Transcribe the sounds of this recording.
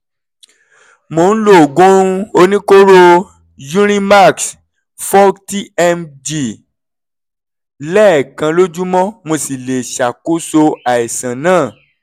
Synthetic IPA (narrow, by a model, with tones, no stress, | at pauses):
mõ˨˦n̩˦lo˦˨ɡõ˦ɾũ˦o˧nĩ˦ko˦ɾo˦ | jũ˦ɾ̃ĩ˦ma˦˨ks | fɔ˦ti˦ɛ˦˧md͡ʒi˦˨ | lɛ˦˨kã˧lo˦d͡ʒu˦mɔ̃˦mõ˧si˨le˨ʃa˨ku˦so˧a˨i˨sã˨nãː˦˨